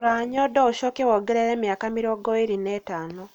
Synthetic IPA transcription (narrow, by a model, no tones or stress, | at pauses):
ɾaːɲodouʃokewoɡeɾeɾeːmjaːkamiɾioɡoiɾinetaːno